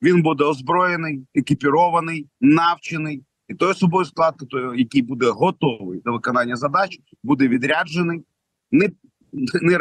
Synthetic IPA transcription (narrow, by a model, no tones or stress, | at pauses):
ʋʲinbud̪ɛɔzbɾɔjenɪjekʲipʲiɾɔʋɐnɪjnɑwt͡ʃɪnɪj | it̪ɔjɔsɔbɔjusklˠɑd̪̚kɪt̪ɔjjɐkʲijbud̪ɛɦɔt̪ɔʋɪ̰jd̪lʲɐʋɪkɔnɑnʲːɐzɐd̪ɑt͡ʃ | bud̪ɛʋʲid̪ɾʲad͡ʒenɪj | nɛ | nɛ